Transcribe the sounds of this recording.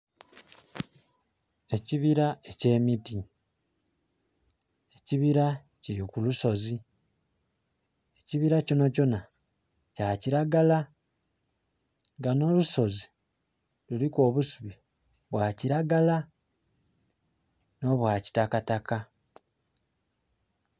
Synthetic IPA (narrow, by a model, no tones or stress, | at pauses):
e̞ciβiɾaece̞ːmiti | eciβiɾa | cijokuluso̞zi | eciβiɾaco̞naco̞na | caːciɾaɡala | ŋɡano̞luso̞zi | luliko̞ːβusuβi | βwaciɾaɡala | no̞βwaːci̥takataka